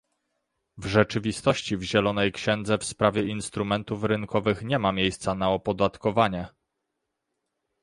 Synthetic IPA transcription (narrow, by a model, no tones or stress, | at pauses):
vʐɛt͡ʂɘvʲist̪ɔɕt͡ɕivʑɛlɔnɛjkɕɛnd̪zɛfspɾavʲjɛinst̪ɾumɛnt̪ufɾɘnkʰɔvɘxɲɛmamʲjejst̪sanaɔpɔd̪at̪kɔvaɲɛ